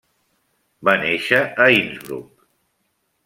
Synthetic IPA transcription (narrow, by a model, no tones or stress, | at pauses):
baneʃəəinzβɾṵk